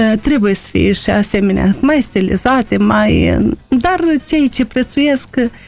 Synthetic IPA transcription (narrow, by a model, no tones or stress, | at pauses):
t̪ɾe̞bujesə̥fḭjeʃiase̞me̞nea̰majst̪ilḭzat̪e̞majd̪art͡ʃe̞jt͡ʃe̞pɾe̞t̪suje̞sk